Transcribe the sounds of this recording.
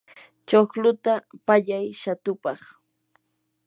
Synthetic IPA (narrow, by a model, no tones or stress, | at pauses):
t͡ʃoχlʊt̪apaʎajʃat̪ʊpɑχ